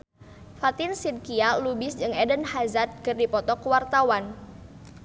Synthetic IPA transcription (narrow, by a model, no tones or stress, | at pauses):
fat̪ɪnsid̪̚kialubɪsd͡ʒɨŋɛdənhazat̪̚kɨrdipɔt̪ɔkuwart̪awan